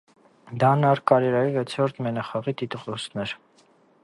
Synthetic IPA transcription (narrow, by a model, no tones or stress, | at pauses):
d̪ɑnɑɾkɑɾɛɾɑɾivɛt͡sʰɔɾt̪mɛnɑχɑʁit̪it̪ʁɔsnɛɾ